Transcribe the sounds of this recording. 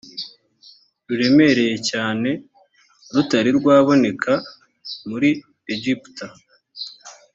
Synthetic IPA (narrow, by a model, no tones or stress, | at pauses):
ɾuɾe̞me̞ɾe̞je̞caːne̞ | ɾutaɾiɾɡwaːβo̞ne̞kʰa | muɾi | eɟipta